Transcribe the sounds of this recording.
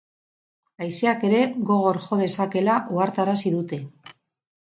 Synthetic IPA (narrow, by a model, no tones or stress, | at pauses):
ajseake̞ɾe̞ɣo̞ɣ̞o̞ɾxo̞ðe̞sake̞laʔoaɾt̪aɾasiðut̪e̞